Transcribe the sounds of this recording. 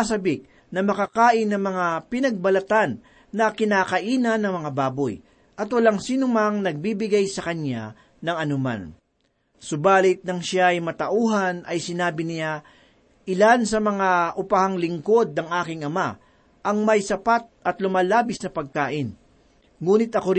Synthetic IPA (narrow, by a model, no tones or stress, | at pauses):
asɐbɪk̚ | nɐmɐkakaːʔɪnːɐŋmɐŋapɪnɐɡ̚bɐlɐt̪anː | ɐkɪnaːkɐʔiːnɐnːɐŋmɐŋabaːboj | ʔɐt̪wɐlaŋsiːnʊmaŋnɐɡ̚bibɪɡajsɐkɐna | nɐŋɐnʊma̰n | sʊbaːlɪt̪̚nɐŋʃaɐjmɐt̪ɐʔuːɦɐnʔɐjsɪnaːbɪnɪja | ʔɪlansɐmɐŋaʔʊpahaŋlɪŋko̞d̪̚nɐŋʔaːkɪŋʔɐma | ʔɐŋmɐjsɐpat̪̚ʔɐt̪lʊmaːlaːbɪsnɐpɐɡ̚kaːʔɪn | ŋuːnɪt̪ɐkoɾ